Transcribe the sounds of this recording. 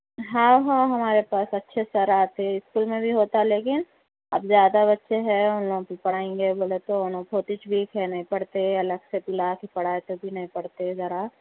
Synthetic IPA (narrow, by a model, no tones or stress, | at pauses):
ɦãɦãɦɐmaːɾepaːsɐtːʃʰesɐɾaːt̪eɪskuːlmẽbʱiɦoːt̪aɛleːkɪn | ɐ̰bzjaːd̪aβɐtːʃʰeɦɛʊnloːɡõkipɐɽ̤aːẽːŋɡeboːlet̪oʊnõpʰoːt̪ɪt͡ʃbʱikʰɛnɐĩpɐɽt̪eɐləɡsepɪlakipɐɽ̤aːet̪obʱinɐɦĩpɐɽt̪ezɐɾa